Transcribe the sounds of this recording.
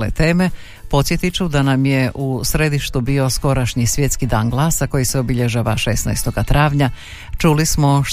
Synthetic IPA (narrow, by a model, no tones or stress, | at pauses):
lḛt̪e̞ːme̞ | po̞t̪sjet̪it͡ʃud̪anamje̞ʔusɾe̞d̪iʃt̪ubiːo̞sko̞ɾaʃɲisʋje̞t̪skid̪aːnɡlˠaːsako̞jiseo̞biʎeʒaʋaʃe̞sna̰jst̪o̞ɡat̪ɾaːʋɲa | t͡ʃulismo